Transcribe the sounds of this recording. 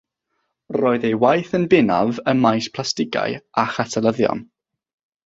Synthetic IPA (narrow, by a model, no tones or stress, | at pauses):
roːɨðejwajθənbɪna̰vəmajspʰlˠastɪɡa̰jaχatʰəlˠəðjɔ̰n